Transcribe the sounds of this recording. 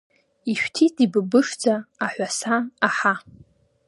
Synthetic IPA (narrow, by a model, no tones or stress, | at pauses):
iʃᶣtʰitʼibɨbɨʂd͡zaːħᶣʷasaaħa